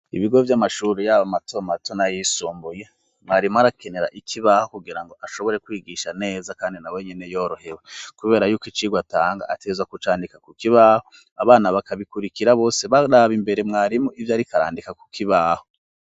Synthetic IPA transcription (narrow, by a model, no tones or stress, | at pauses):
ḭβiɡo̞vjamaʃuɾejaβamatomatonajisuːmbuje | mŋaːɾimuaɾake̞ne̞ɾa̰ʔikʰiβahokuɡiɾaŋɡo̞ʔaʃo̞βoɾe̞kwiːɡiʃane̞ːzakaːndinawe̞ɲene̞jo̞ːɾo̞he̞wakuβe̞ːɾajuːkit͡ʃiɡwataːŋɡa̰atʰezwakut͡ʃaːndikakukiβaːho | aβaːnaβakaβikuɾikiɾaβo̞ːseβaɾaβimbe̞ɾe̞mŋaːɾimuivjaɾikaɾa̰ːndikaku̥kiβaːho̥